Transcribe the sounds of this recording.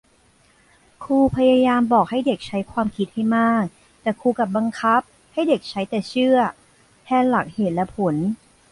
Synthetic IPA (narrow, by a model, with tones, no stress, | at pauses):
kʰuː˧pʰa˧ja˧jaː˧mbɔː˨˩k̚ha˥˩jde˨˩k̚t͡ɕʰa˦˥jkʰwaː˧mkʰi˦˥t̪̚ha˥˩jmaː˥˩k̚ | t̪ɛː˨˩kʰuː˧ka˨˩p̚ba˧ŋkʰa˦˥p̚ | ha˥˩jde˨˩k̚t͡ɕʰa˦˥jt̪ɛː˨˩t͡ɕʰɯ˥˩ɐ | h̪ʰɛː˧˩nla˨˩k̚heː˨˩t̪̚lɛ˦˥pʰo˩˦n